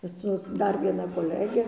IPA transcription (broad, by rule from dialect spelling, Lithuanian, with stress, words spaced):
ˈsʊs ˈdɐr ʋʲiɛˈnɐ koːˈlʲæːɡʲɛ